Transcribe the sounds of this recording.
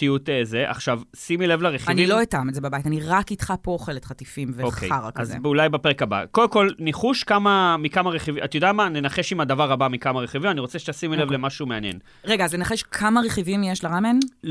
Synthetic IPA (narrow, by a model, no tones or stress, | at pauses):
iutezeʔa̰χʃavsimilevlaʁeχaniloitamezebabajtaniʁakitχapoːχelet̪χatifimveokḛjaʁa̰kaz̰beulajbapeʁekaba̰koldemkolniχuʃkamamikamaʁeχivimʔat̪jod̪amanenaχe̞ʃimad̪avaʁabamikamaʁeχivimaniʁo̞t͡seʃtasimilevlemaʃumeanjḛn | ʁe̞ɡaːznenaχeʃkʰamaʁeχivimjeʃlaʁamen